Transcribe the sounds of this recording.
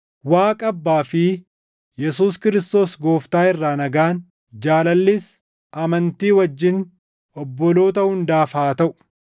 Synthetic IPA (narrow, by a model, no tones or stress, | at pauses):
waːkʼɐbːaːfɪ | jɛsuːskɪɾɪst̪o̞ːsɡo̞ːft̪aːɪrːaːnɐɡaːn | d͡ʒaːlɐlːɪs | ʔɐmɐnt̪iːwɐd͡ʒːɪn | ʔɔbːɔlo̞ːt̪ɐhʊnd̪aːfaːt̪ɐʔʊ̥